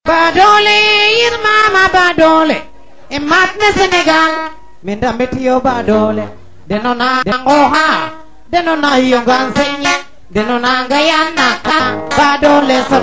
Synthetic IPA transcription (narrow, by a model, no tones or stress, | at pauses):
badolejɪɾmamabadole | ɛmat̪̚mesɪnɪɡal | mɪndamɪtɪobadole | dɛnɔnadaŋɡɔɦa | dɛnɔnahijoŋɡansɪɲi | dɛnɔnaŋɡajanːakabadolesa